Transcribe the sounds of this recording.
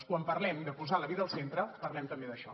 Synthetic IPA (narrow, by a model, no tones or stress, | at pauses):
skwampərlɛmd̪əpuzaləβiðəːlˠsent̪ɾəpərlɛmt̪əmbeðəʃɔ̰